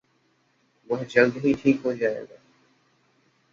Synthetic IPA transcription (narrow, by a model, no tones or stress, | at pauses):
mʊ̃ɦd͡ʒəld̪ɦiʈʰiːkɦoːd͡ʒaːḛ̃ːɡ̪aː